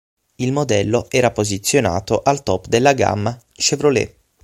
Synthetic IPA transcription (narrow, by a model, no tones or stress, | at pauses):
ilmod̪ɛlːoɛːɾapozit̪sːjona̰ːt̪oʔalt̪ɔpd̪elːaɡa̰mːa | ʃevɾolḛ